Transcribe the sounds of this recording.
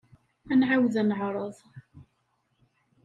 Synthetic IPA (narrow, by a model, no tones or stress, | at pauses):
ænʕawðænəʕɾˤəðˤ